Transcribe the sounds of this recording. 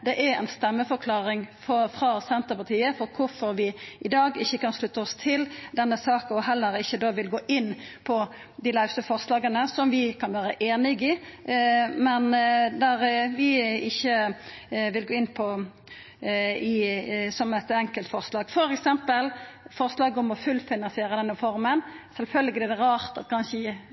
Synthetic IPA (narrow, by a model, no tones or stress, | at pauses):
d̪ɛʔæɾɛ̰ɪnst̪ɛmːəfɔʁkʰlɑːɾɪŋfɔfʁɑsɛnt̪əpɑʁt̪ʰiːəfɔɾkʰʊɾfɔɾʋɪʔɪd̪ɑːɡɪçːəkɑnʂlʉt̪ːəɔst̪ʰɪld̪ɛnːəsɑːkɔɦɛlːəɾɪçːəd̪oːʋɪlɡoːʔɪnːpʰɔ | d̪ɪlɑʉst̪əfɔʁslɑːɡənəsɔmʋɪkʰɑnʋæːɾəʔeːnɪɡɪ | mɛnd̪æʁʋɪɪçːə | ʋɪlɡoːɪnːpʰɔ | ɪsɔmɛt̪ɛŋkəlt̪fɔʁslɑːɡ̥fɔɾɛksɛmpəlfɔɾslɑːɡɔmɔfʉlfɪnɑnsɪeːɾəd̪ɛnːəfɔɾmənsɛlfœlːɡɪd̪ɛd̪ɛɾɑːɾt̪ɑt̪kʰɑnʃəɪ